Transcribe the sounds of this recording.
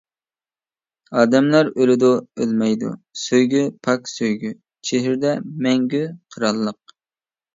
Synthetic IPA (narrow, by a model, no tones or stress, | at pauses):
ɑːd̪ɛmlˠɑɾølɪd̪uølmɛjd̪ṵsøjɡʲypʰɑkʲsøjɡʲy | t͡ʃʰeɦɪɾd̪ɛmɛŋɡʲyqʰəɾɑlˠːəq̚